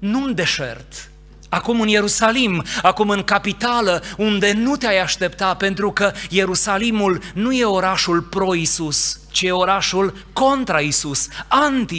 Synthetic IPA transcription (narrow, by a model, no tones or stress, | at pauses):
nund̪e̞ʃḛrt̪ | akumɨnje̞ɾusalimakumɨŋkapit̪aləund̪e̞nut̪eajaʃt̪e̞pt̪ape̞nt̪ɾukəje̞ɾusalimulnuje̞o̞ɾaʃulpɾo̞isust͡ʃije̞o̞ɾaʃulko̞nt̪ɾaisusant̪i